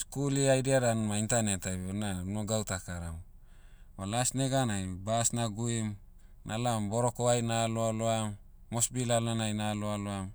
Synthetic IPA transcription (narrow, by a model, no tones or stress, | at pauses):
skuliajdiadanmaintanetajbonanoɡawtakaɾam | balasneɡanajbasnaɡuim | nʔalambo̞ɾo̞koajnaloaloamː | osbilalanajnaloaloam